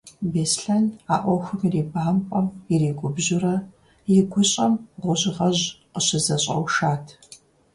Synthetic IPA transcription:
beːsɬɐnaːʔʷɔxʷʊmireːbaːmpʷʼɔmjɪreːkʷʼʊbʑɪrɐ | jɪɡʷʊɕʼɐmʁʷʊʑɪʁɐʑqəɕɪzɐɕʼɐ̰wʃaːtʰ

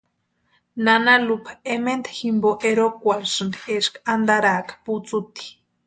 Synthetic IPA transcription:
nanalupaemend̪ḁximboʔeɾokʷalsɨnd̪ieʃkaand̪aɾakḁput͡sut̪i̥

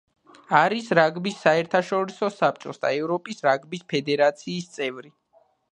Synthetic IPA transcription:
aɾisɾaɡbisːaɛɾt̪ʰaʃɔɾisɔsap̚t͡ʃʼɔsd̪a̰ɛvɾɔpʼisɾaɡbispʰɛd̪ɛɾat̪sʰiːst̪sʼɛvɾi

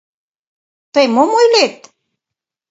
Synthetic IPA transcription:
t̪əjmomojlet̪̚

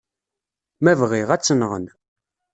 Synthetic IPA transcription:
mævʁiʁæt͡sːənʁə̰n

